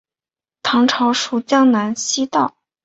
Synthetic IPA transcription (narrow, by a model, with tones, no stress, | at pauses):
t̪ʰɑ˧˥ŋʈ͡ʂʰɑ˧˥ʊʂu˥˩t͡ɕjɑ˥ŋna˧˥nɕi˥t̪ɑ˥˩ʊ